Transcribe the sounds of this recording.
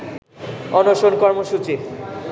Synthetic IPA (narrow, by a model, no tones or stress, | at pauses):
ɔnoʃonkɔɾmoʃut͡ɕi